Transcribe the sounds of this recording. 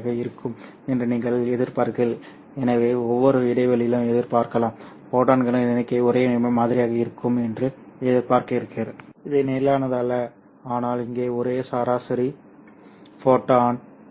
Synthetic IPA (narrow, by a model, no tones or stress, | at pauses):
ɣɐɪɾɯkːɯm | ɛndrɯniːŋɡɐɭɛðɪɾpaːɾkɐl | ɛnɐʋeːɔʋːɔɾɯɪɽɐɪʋɐlɪlɐ̃ɛðɪɾpaːɾkɐlãːm | foːʈːaːnɡɐɭɐ̃ɛnɐkːeːɔɾeːmaːðɪɾɪjaːɣɐɪɾɯkːɯmɛndrɯɛðɪɾpaːɾkɐɪɾɯkːɪɾɐɪðɐneːɪlaːnɐðalːɐ | aːnaːlɪŋɡeːɔɾeːsaːɾaːsɪɾi | foːʈːaːn